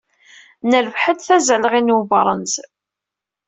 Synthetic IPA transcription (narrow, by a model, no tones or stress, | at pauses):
nəlvħəd̪θæzələʁinubɾˤənz